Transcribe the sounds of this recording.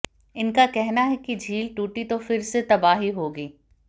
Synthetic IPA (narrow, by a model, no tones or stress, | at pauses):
ɪnkakɛɦnaɦɛkid͡ʒʱiːlʈuːʈit̪ofɪɾset̪ɐbaːɦiɦoːɡiː